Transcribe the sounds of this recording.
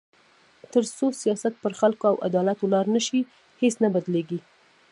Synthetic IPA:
t̪əɾsosijɑsat̪̚pəɾxalkoawa̰d̪ɑlat̪olɑɾnəʃi | hesnabad̪leɡi

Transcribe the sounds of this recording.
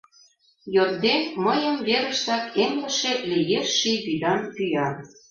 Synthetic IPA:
jot̪̚d̪enməjəmβeɾə̆ʃt̪ɑkemlə̆ʃelijeʃːijβid̪ɑnpyjɑ

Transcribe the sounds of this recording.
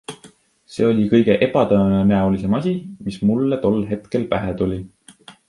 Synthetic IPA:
se̞ːo̞lʲikɤjɡ̥e̞ʔe̞b̥ɑt̪ɤenenæolise̞mɑsʲimismulːet̪o̞lːɦe̞t̪ke̞lpæɦet̪ulʲi

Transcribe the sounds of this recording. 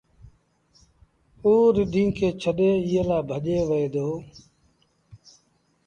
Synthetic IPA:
uːɾɪɖʱĩːkʰeːt͡ʃʰəɗeːɪɦeːlaːbʱəʄeːʋəeːd̪oː

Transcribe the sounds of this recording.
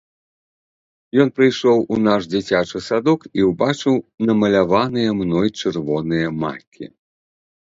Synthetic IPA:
jɔnpɾɨjʂɔwunaʂd͡zʲit͡sʲat͡ʂɨsad̪ɔkiwbat͡ʂɨwnɐmɐlʲavanɨjɐmnɔjt͡ʂɨrvɔnɨjɐma̰kʲʰḭ

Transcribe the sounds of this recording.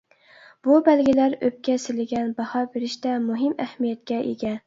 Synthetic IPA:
b̥ʊbalɡʲɪlaɾɵp̚kʲasɪlɪɡʲanbɑhɒbeɾɪʃt̪amʊɦɪmahmijat̪kʲaʔḛɡʲa

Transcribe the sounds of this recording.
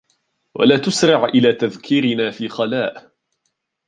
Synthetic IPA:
wa̰laːt̪ʊsɾɑʕʔɪlaːt̪aðkʰɪɾɪnaːfiːxɑlaːʔ

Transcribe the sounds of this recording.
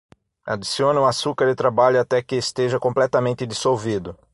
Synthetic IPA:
a̰d͡ʒ̪isiõnɐ̃ũasukɐɾɪt̪ɾabaʎʊat̪ɛkɪːst̪eʒɐkõplɛt̪ɐmẽnt̪ɪd̪isowvid̪ʊ

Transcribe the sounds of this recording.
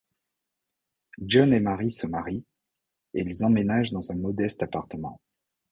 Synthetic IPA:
ʒɔnemaʁisɔmaʁi | eilzɑ̃menaʒd̪ɑ̃zɛ̃mɔd̪ɛst̪apaʁt̪əmɑ̰̃

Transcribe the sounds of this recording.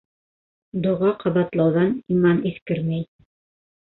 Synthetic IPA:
d̪ŏʁɑqɑβɑt̪lˠɑwðɑnimɑniθkɘɾmæj

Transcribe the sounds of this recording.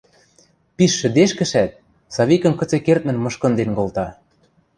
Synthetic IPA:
piʃːɘ̆d̪eʃkɘ̆ʃæt̪̚ | sɑβikɤ̆nkɤ̆t͡sekert̪̚mə̆nmɤ̆ʃkɤ̆nd̪enkolt̪ɑ

